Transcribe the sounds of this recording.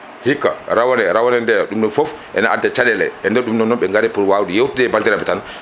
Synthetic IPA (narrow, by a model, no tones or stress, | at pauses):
hikːa̰ɾawanɛɾawanɛndɛɗumɗɔfɔfʔɛ̰naʔadːɛt͡ʃaɗɛlɛ̰ɛndɛɾɗumnɔnɔmɓɛŋɡaɾɛpuɾwawdijewtidɛbaltiɾabɛtan